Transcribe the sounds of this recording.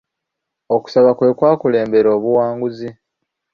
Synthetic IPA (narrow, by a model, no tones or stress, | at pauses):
o̞ku̥saβakwe̞ːkwaːkule̞ːmbe̞ɾo̞ːβuwaːŋɡuzi